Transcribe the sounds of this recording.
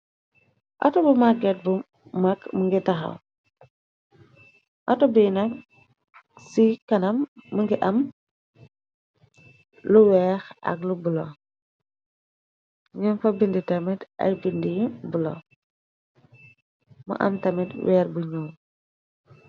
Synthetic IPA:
ʔɐ̰tɔbumaɡɛt̚bu | mɐkməŋɡitɐxɐ̰w | ʔɐtɔbinɐk̚ | sikɐnɐmːəŋɡiʔɐm | luwɛːxʔɐ̰klubulɔ̰ | ɲuŋfɐbinditɐmitɐ̰k̚bindibulɔ̰ | mɐ̰ʔɐ̰mtɐmitwɛːɾbuɲuːw

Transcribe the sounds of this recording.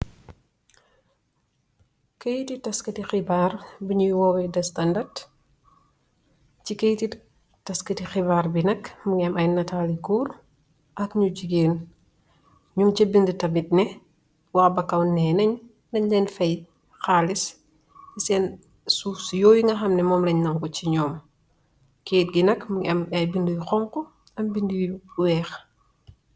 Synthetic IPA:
kəjtitɐskɐtixibaːrbiɲujwɔwɛdɛstɐndɐrt | t͡ʃikejti | tɐskətixibaːrbinɐkmuŋɛmɐjnɐtalikuːɾ | ʔɐkɲuɟiɡeːn | ɲuŋt͡ʃɐbinditɐbit̚nɛ | waːbɐkɐwnɛːnɐɲ | nɐɲdɛnfɛj | xalis | isɛn | susjoːjŋɡɐxɐmnɛmɔːmlɐɲnɐŋkɔt͡ʃiɲɔːm | keːt̚ɡinɐkmuŋʔɛmɐjbindujxɔŋkɔ | ɐmbindijuwɛːx

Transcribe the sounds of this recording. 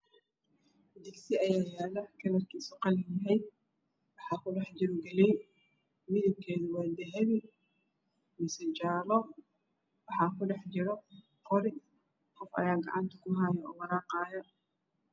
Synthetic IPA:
d̪ɪɡsɪʔɐjaːjaːlɐkʰɐlɐrkʰisɔqɑlɪnjɐɦɛj | wɑħɑːkʰʊɖɑħd͡ʒɪɾɔɡɐlɛj | mɪðɪb̚kʰɛːðʊwaːd̪ɛɦɛβi | mɪsɛt͡ʃaːlɔ | wɑħɑːkʰʊɖɛħd͡ʒɪɾɔ | qɔɾɪ | qɔfʔɐ̰jaːɡɑ̰ʕɑnt̪ʰɐ̥kʰʊɦaːjɐɔːwɑɾɑːqɑːjɐ

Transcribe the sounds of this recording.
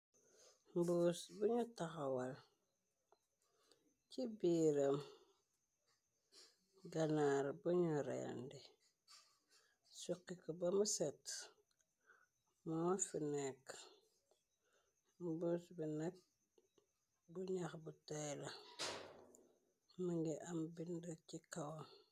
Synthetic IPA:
m̩busbuɲutaxawal | t͡ʃibiɾam | ɡanaːɾbuɲuɾɛ̰ndi | sukːikubamusɛt | mɔfinɛk | mbusbinak̚ | ɡuɲaxbutɛlɐ | maŋɡiʔɐmbindəcikawɐ

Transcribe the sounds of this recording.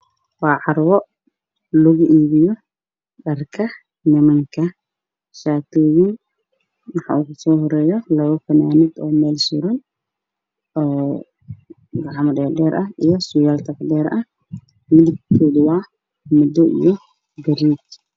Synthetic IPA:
wɑːʕɑrwɔ | lʊɣʊʔiːβɪjɔ | ɖɐrkʰɐ | nɪmɐŋkʰɐ | ʃaːt̪ʰɔːjɪn | wɑħɑ̰ːuːkʊsɔːɦɔɾɛːjɔlɐɣɐfɐnaːmɪd̪ɔːmɛːlsʊ̰ɾɐn | ɔː | ɡɑʕɑmɖɛːɖɛːɾʔɐijɔsʊjaːlt̪ʰɐfdɛːɾɐh | mɪdɪb̚kʰuːðʊwɑː | mʊd̪ːɔʔḭjɔ | ɡɐɾiːd

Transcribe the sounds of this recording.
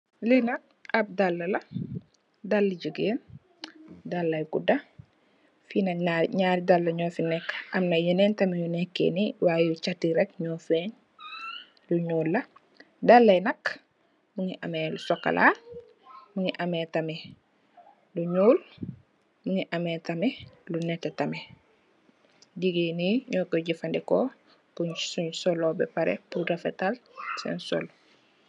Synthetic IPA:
linɐk̚ɐp̚dalːɐlɐ | dalːiɟuɡeːn | dalːɐjɡudɐ | finɐaɲaːɾdalːɐɲɔːfinɛkːʔɐmnɐjunɛntɐmɛjunɛkːḛniwajut͡ʃatiɾɛkɲɔːfɛɲ | luɲuːlːɐ | dalːɐjnɐk | muŋiʔamelusɔkːa̰lʔa̰ | muŋiʔametame | luɲuːl | muŋiʔametamelunɛtːetame | diɡeːniɲɔːkoɟifandɛko | kuɲsuɲsɔlɔbɛpaɾḛpuɾafetalsḛnso̰l

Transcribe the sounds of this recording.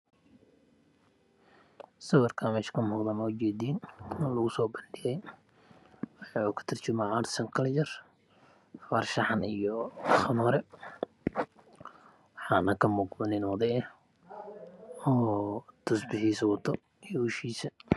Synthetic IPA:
sɐwɐrkʰamɛːʃkʰɐmʊːqd̪ɐːnɔt͡ʃɛːd̪iːnːlɐɣʊsɔːbɐnɖɪɣɛj | wɑħɑuːkʰɐ̥t̪ʰɐrt͡ʃʊmaaɾsɐŋkʰɐljɐr | hɐβɐːrʃɑħɑnijɔχɐnhɔɾɛ | wɑħɑːnɐkʰɐmɔːɡbɐnɪnɔðɛjɐ | ɔːt̪ʰɐsbɪħiːsɐwʊt̪ʰɔ | ijɔʊʃiːsɐ

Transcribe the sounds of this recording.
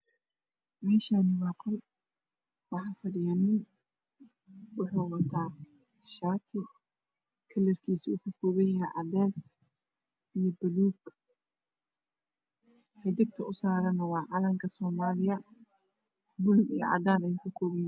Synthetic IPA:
mɛːʃaːnɪwɑːqɐl | wɑħɑːfɐɽɪjaːnɪn | wʊħuːwɐt̪ʰaː | ʃaːt̪ʰɪ | kʰɐlɐrkʰiːsɪukʰʊkʰɔːβɛjɐhɛʕɑd̪ɛːs | ʔijɔbʊluːɡ | hɪd̪ɪɡt̪ʰɐʔʊsaːɾɐnɐwɑːʕɑlɐŋkʰɐsɔːmaːlɪjɐ | bʊlɡijɐ̰ʕɑ̰d̪aːnɐjukʰʊkʰɔːβɛja

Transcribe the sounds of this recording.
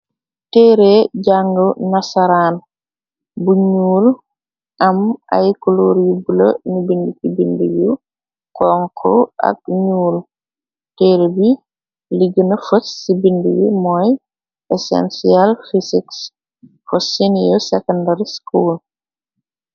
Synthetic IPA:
tɛːɾeɟaŋɡɔnasaɾan | buɲuːl | ʔama̰jkuloɾjubulənibindukibinduju | kɔŋkʰɔʔa̰k̚ɲuːl | tɛːɾebi | liɡənɐfosːibindujṵmɔj | ɛsɛ̰nsialfisiks | fɔsinijɔsɛkɔndaɾiskul

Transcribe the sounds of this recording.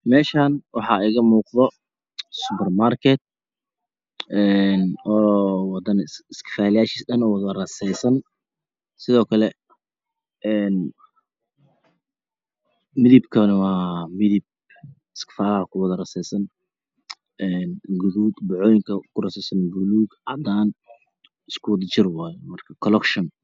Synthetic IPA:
mɛːʃaːnwɑħɑ̰ɛːɣɐmuːqðɔ | supɛrmarkʰɛt̪̚ | ɛːnɔːwɑd̪ɐnɪskʰɪ̥faːlɪjaːʃiːsɗɐnɔːwɑðɐrɐsɛjsɐn | sɪðɔːkʰɐlɛ | ɛːn | mɪðɪbkʰɐnwɑːmɪðɪb̚ | ɪskɪ̥faːlɐɐkʰʊwɐðɐrɐsɛjsɐn | ɛːnɡʊðuːd̪bʊʕɔːjɪŋkʰɐkʰʊrɐsɛsɐnbʊluːɡɐd̪aːn | ɪskʰʊwðɐt͡ʃɪrwɑːjɔmɐrkʰɐkʰɔlɛkʃɐn

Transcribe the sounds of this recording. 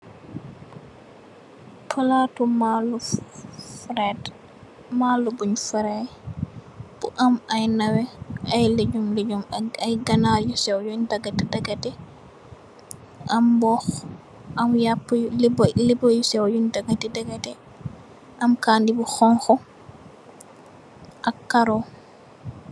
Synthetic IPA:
pʰɔlatumalu | fɾɛd | malubuɲfɾɛ | b̥uʔamajnawɛʔajled͡ʒumled͡ʒumajɡanajusɛwjuɲdaɡatɛdaɡatɛ | ʔambɔx | ʔamjapːliblibɔjusɛwjuɲdaɡatɛdaɡatɛ | ʔamkaːndibuxɔŋxɔ | ʔakːaɾɔ

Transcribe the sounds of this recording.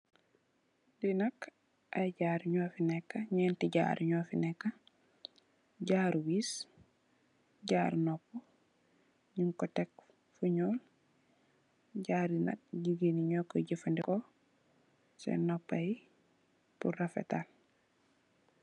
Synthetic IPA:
dinɐk | ʔajɟaːɾɲoːfinekːaɲentiɟa̰ɾɲofinekːa | ɟaɾwiːs | ɟaɾnopːo | ɲiŋkotek | fuɲoːl | ɟaːɾina̰k̚ɟiɡiniɲokːoɟifandiko | sḛnopːaji | pṵrafḛtal

